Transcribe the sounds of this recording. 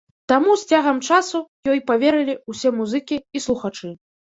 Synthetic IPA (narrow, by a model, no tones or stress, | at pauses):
t̪amusʲt͡sʲaɣɐmt͡ʂasujɔjpavʲɛɾɨlʲiusʲɛmuzɨkʲiislˠuxat͡ʂɨ